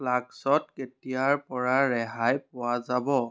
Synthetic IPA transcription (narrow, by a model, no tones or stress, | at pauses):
laksɔtketijaɹpɔɹaɹɛɦajpʊwazabɔ